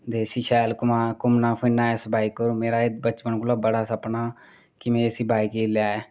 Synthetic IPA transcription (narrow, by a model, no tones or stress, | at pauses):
d̪eːsiːʃɛːlkʊmaːkʊmnaːpʰɪnːaːesbaːikːəɾuːmeːɾaːed̪̚bət͡ʃpənkʊlaːbəɽaːsəpnaː | kɪmẽːsiːbaːikiːljaːɛː